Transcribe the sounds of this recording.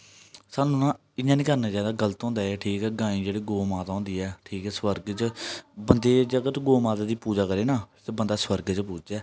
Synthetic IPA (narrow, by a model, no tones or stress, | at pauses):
saːnũːnãː | ɪɲãːniːkəɾnãːd͡ʒaːd̪aːɡələt̪ɦɔ̃ːnd̪aːɛːʈʰiːkɛːɡãːĩːd͡ʒeːɽeːɡoːmaːt̪ːɔ̃ːnd̪iːɛːʈʰiːkɛːswəɾɡt͡ʃbənd̪eːd͡ʒəɡət̪ɡoːmaːt̪aːd̪iːpuːd͡ʒaːkəɾeːnaːt̪ebənd̪aːswəɾɡt͡ʃpuːd͡ʒd͡ʒɛː